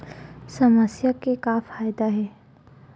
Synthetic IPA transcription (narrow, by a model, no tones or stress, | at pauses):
sɐməsjakekaːfaːjd̪aɦɛː